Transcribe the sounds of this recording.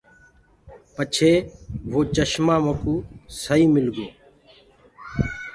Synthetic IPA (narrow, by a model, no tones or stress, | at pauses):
pət͡ʃʰeːʋoːt͡ʃəʃmãːməkuːsəiːmɪlɡoː